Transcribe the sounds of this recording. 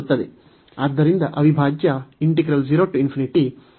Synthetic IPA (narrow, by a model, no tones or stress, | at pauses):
t̪ːɐd̪e | aːd̪ːɐɾind̪ɐʔɐʋibʱaːd͡ʒjɐiɳʈiɡɾɐld͡ʒiɾoːʈːuinpʰiniʈi